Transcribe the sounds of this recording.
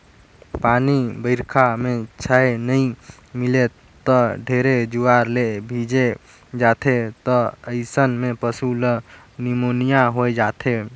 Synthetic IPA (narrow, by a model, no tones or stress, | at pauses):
panibəɪɾkʰamẽt͡ʃʰəenəĩ | mɪle | t̪ɔɖʱeɾed͡ʒuaɾlebʱid͡ʒe | d͡ʒaːt̪ʰet̪ɔəɪsənmẽpəsulə | nimonijaɦod͡ʒaːt̪ʰe